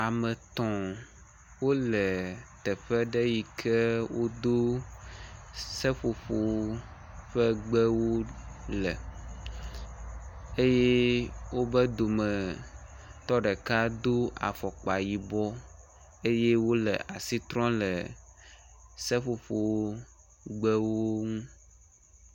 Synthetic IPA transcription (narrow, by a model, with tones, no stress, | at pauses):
a˨mɛ̃˨t̪ɔ̃˨ | wo˦lɛ˨t̪ɛ˨ɸɛ˦ɖɛ˦ji˨kʰɛ˦wo˦d̪o˦ | sɛ˦ɸo˨ɸo˨w | ɸɛ˦ɡ͡bɛ˦wo˦lɛ˨ | e˦je˦wo˦bɛ˦d̪o˨mɛ˨ | t̪ɔ˦ɖɛ˨ka˦d̪o˦a̰˨fɔ˨k͡pa˨ji˨bɔ˦ | e˦je˦wo˦lɛ̰˨ʔa˨si˦t̪ɾɔ̃˦lɛ˨ | sɛ˦ɸo˨ɸo˨˦ | ɡ͡bɛ˦wo˦ŋũ˦